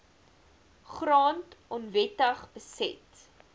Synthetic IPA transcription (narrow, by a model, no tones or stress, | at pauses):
χrɑːntʔɔnvɛtəχbəsɛ̰t